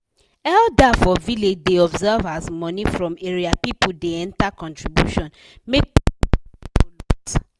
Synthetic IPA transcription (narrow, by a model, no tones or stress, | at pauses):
ɛldafɔviled͡ʒdeɔbzɛvazmɔnifɹɔ̃meɹiapipudeɛ̃ntakɔ̃ntɹibjṵʃɔ̃n | mek̚ | lut